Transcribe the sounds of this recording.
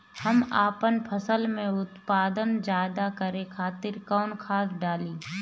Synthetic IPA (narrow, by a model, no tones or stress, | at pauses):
hɐmaːpənpʰəsəlmẽʊt̪paːd̪ənd͡ʒaːd̪akəɾekʰaːt̪ɪɾkɔːnkʰaːsɖaːliː